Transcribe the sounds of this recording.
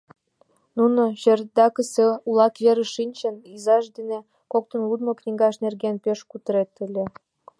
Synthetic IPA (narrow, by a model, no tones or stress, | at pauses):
nunoɕerd̪ɑkəseulɑkβeɾə̆ʃinʲt͡ɕə̆nizɑʃd̪ene | kok̚t̪ə̆nlud̪mŏknʲiɡɑʃnerɣenpeʃkut̪əɾet̪əlʲĕ